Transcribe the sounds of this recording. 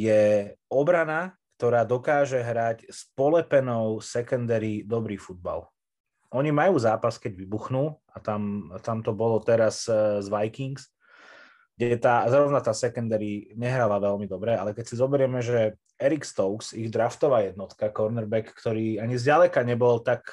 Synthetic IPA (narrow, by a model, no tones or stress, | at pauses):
jɛɔbɾanakt̪ɔɾaːd̪ɔkaːʒɛɦɾacspɔlɛpɛnɔʊsɛkɔnd̪ɛɾiːd̪ɔbɾiːfud̪̚ba̰l | ʔɔɲimajuːzaːpaskɛɟʋibuxnuː | at̪amt̪amt̪ɔbɔlɔt̪ɛɾazzʋajkiŋks | ɡɟɛt̪aːzɾɔʋnat̪aːsɛkɔnd̪ɛɾiɲɛɦɾalaʋɛlmid̪ɔbɾɛalɛkɛcsizɔbɛɾɪɛmɛʒɛ | ɛɾikst̪ɔʊksiɣd̪ɾaft̪ɔʋaːjɛd̪nɔt̪kakɔɾnɛɾbɛkːt̪ɔɾiːaɲizɟalɛkaɲɛbɔlt̪ak